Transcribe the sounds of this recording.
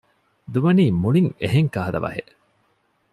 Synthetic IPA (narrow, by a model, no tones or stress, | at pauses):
d̪uʋɐniːmuɭiŋeɦeŋkaːɦɐd̪ɐ̰ʋɐ̰heʔ